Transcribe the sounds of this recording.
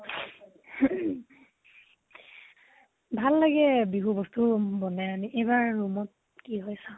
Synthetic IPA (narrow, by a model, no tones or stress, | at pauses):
bʱalːaɡɛbiɦubɔstubɔnaaniʔejbaɹːumɔt̚ | kiɦojsã